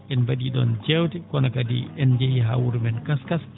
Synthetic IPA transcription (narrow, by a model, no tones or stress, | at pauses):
ɛnbaɗiɗɔ̰nd͡ʒɛwtɛkɔnakadḭɛnd͡ʒehiɦa̰wuɾmɛnkaskas